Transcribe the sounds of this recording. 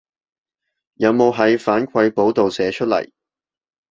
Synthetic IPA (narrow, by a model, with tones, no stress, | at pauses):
jɐ˨˧wmo˨˧wɦɐ˨˥jfaː˨˥nkʰʷɐ˧jpo˨˥wt̪o˨wsɛː˨˧t͡ʃʰɵ˥t̚lɐ̰˨˩j